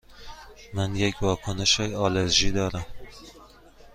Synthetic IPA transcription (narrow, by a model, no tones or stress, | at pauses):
manjekʲvɒːkʰonɪʃajɒleɾʒid̪ɒɾam